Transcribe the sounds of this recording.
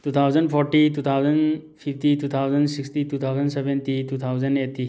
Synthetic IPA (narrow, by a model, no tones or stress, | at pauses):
tut̪ʰawzənpʰɔɾʈitut̪ʰawzənpʰipʰtitut̪ʰawzənsikstitut̪ʰawzənsebentitut̪ʰawzənetːi